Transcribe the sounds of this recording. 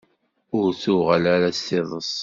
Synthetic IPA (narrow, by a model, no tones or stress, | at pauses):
ʊɾθʊʁəlaɾasθɪðˤəsˤ